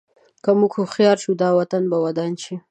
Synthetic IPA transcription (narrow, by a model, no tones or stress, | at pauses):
kamukxuxjɑɾʃud̪ɑwat̪anbawad̪ɑnʃi